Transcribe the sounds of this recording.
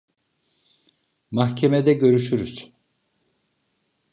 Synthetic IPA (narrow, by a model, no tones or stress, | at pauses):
maxcʰemed̪ɛɟø̞ɾyʃyɾyz̥